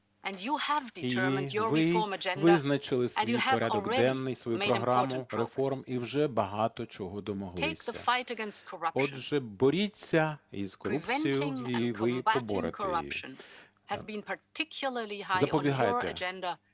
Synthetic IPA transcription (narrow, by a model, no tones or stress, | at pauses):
ʔɨ̃njuəvdɪitnjəʋɪɔɹməd͡ʒɛ̃nʋdɪznɐt͡ʃɪlˠɪsʋijpɔɾʲadd̪ɔɡd̪ɛnːɪjsʋɔjumeɾɔɦɾɑmʊɾefɔrmiwʒɛbɐɦɑt̪ɔt͡ʃɔɦɔd̪ɔmɔɦlˠeɪksʲðəɐ̰faɪtɨɡɛ̃nstkʰə˞ʌpɔd̪ʒɛbɔɾʲit͡sʲːɐḭz̥kɔɾupvɛ̃nsijʊ̃ŋikʰʋɪbɔbɔɾḛtkʰəeʌ̰ʃɨ̰̃n | ɨzbɨ̃npʰə˞tʰɪkʰjʊl̩ˠə˞lˠiɦazɪzɐpɔbʲiɦɑj̪ḛə̰d͡ʒɛ̃ndə